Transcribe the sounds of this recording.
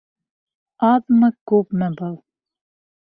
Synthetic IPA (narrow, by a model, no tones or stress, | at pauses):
ɑðmɤkʉpmɘbɤlˠ